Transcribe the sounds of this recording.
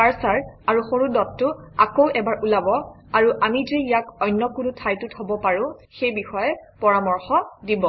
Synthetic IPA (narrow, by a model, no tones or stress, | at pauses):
aɹsaɹaɹuxoɹudɔtːʊakowɛbaɹʔulabɔ | aɹuʔamizeijakɔjnːɔkunʊtʰajtʊtɦobɔpaɹʊ̃xejbixɔjɛpɔɹamɔɹxɔdibɔ